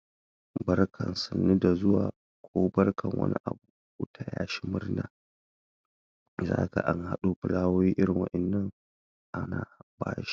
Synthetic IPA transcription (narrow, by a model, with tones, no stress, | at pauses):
bɐ˦rkʰɐ˨nsɐ˨nːi˦da˨zʊ˦waː˨ | kʷʰoː˦bɐ˦rkʰɐ˨ŋwʔɐ̰˦nḭ˦ʔa˨buː˦˨ | u˦tʰa˨ja̰ː˦ʃi̥˦mʊ˦rnaː˨ | za̰ː˦ɡa˨ʔa˦ŋha˦ɗu˦ɸɪ˨laː˦woː˦jiː˦ʔɪ˦ɾɪ˨ŋwɐ̰˦ʔɛ˨nːɐ˦ŋ | ʔa˦naː˨baː˦jʃi̥˦